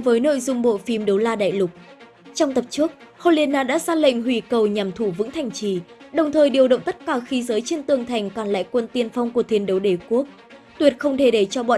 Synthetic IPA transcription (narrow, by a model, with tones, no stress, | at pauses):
vəː˨˦jno̰˧˨jzʊ˧ŋ͡mɓo̰˧˨fi˨˦mɗə˨˦wlaː˧ɗa̰ː˧˨jlʊ˨˩k͡p̚ | t͡ɕɔ˧wŋ͡mt̪ə˨˩p̚t͡ɕɨ˦˥ək̚hɔ˧li˧ənːaː˧˩ɗa̰ː˧˥zaː˧lə̰˧˨jŋ̟ɦwi˧˩kə˨˩wɲa˨˩mt̪ʰu˧˩vɨ̰˧˥ŋt̪ʰa˨˩jŋ̟t͡ɕi˧˩ɗə˨˩wŋ͡mt̪ʰəː˨˩jɗi˨˩əwɗə̰˧˨wŋ͡mt̪ə˦˥t̚kaː˧˩xi˨˦zəː˨˦jt͡ɕe˧nt̪ɨ˨˩əŋt̪ʰa˨˩jŋ̟kɔ˨˩nla̰ː˧˨jkwə˧nt̪i˧ənfa˧wŋ͡mku˧˩ət̪i˨˦ənɗə˨˦wɗe˧˩ku˦˥ək̚ | t̪wi˨˩ət̚xə˧wŋ͡mt̪ʰe˧˩ɗe˧˩t͡ɕɔ˧ɓɔ̰˧˨